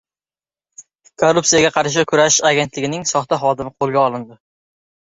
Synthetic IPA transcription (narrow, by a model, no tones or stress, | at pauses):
kʰorʊpsijaɡʲaqʰɑɾʃ̬ɪkʰʊɾaʃaɡʲe̞nt̪lɪɡʲɪnɪŋsɒχt̪aχɒd̪ɪmɪqʰolˠɡʲaɒlˠɪnd̪ɪ